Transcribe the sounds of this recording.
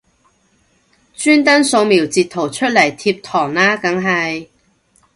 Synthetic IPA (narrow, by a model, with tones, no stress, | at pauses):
t͡ʃyː˥nt̪ɐ˥nso˧wmiː˨˩wt͡siː˨t̪ʰːo˨˩wt͡ʃʰɵ˥t̚lɐ˨˩jt̪ʰiː˧p̚t̪ʰɔː˨˩ŋlaː˥kɐ˨˥ŋɦɐ˨j